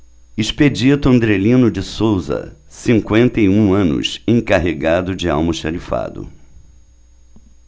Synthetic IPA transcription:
isped͡ʒit̪ʊɐ̃nd̪ɾelĩnʊd͡ʒɪsowzɐ̰sĩŋkwẽnt̪ejũɐ̃nʊ̰sẽkaɦeɡad̪ʊd͡ʒɪa̰wmʊʃaɾifa̰d̪ʊ̰

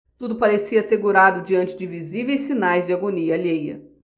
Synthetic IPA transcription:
t̪ud̪ʊpaɾesiɐaseɡuɾad̪ʊd͡ʒiɐ̃nt͡ʃɪd͡ʒɪvizivejsːinajzd͡ʒɪaɡoniɐːʎejɐ̰

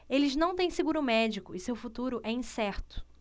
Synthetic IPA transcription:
elɪznɐ̃w̃t̪ẽj̃sɪɡuɾʊmɛd͡ʒikʊɪsewfut̪uɾʊʔɛĩsɛɾt̪ʊ̥

